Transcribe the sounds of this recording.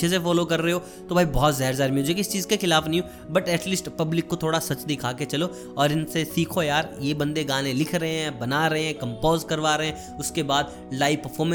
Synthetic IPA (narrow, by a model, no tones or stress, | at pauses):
es̬efɔːlokɐɾːɐɦeɦoː | t̪obʱaːibɔːt̪zaɦːɾzaːɾmud͡ʒekɪst͡ʃiːzkexɪlaːfnɐɦĩo | bɐʈɛːʈliːsʈpɐblɪkːot̪ʰoːɽasɐt͡ʃd̪ɪkʰaːket͡ʃɐlo | ɔːɾɪnsesiːkʰojaːɾjebɐ̃nd̪eɡãːnẽlɪkʰɾɐɦeɦɛ̃bɐnaɾɐɦẽɦɛ̃ːkɐ̃mpoːzkɐɾʋaːɾɐɦɛ̃ː | ʊskebaːd̪ | laːɪpɐɾfʰɔːmə̃